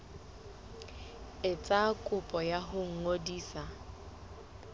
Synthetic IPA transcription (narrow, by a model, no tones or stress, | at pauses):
ɪt͡sʼakʼʊpʼɔjaɦʊŋ̩ŋodiːsa